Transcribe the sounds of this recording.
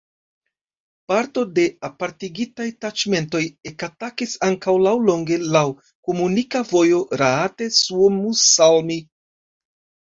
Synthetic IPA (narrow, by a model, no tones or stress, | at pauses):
paɾtode̞apaɾtiɡitajtat͡ʃme̞nto̞je̞katakisaŋkawlawlo̞ŋɡe̞law | komunikavo̞jo̞ɾaate̞suomusalmi